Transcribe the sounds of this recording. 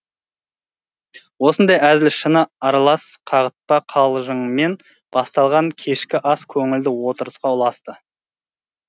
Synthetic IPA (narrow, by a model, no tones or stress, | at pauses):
wo̞sənd̪ɑjæzɪlʃənəɑɾɑlˠɑsqʰɑʁət̪̚pɑqʰɑlˠʒəɴme̞n | b̥ɑst̪ɑlˠʁɑŋkʲʰe̞ʃkʲɪʔɑskʲʰɵŋɪld̪ɪwo̞t̪əɾəsqɑʊlˠɑst̪ə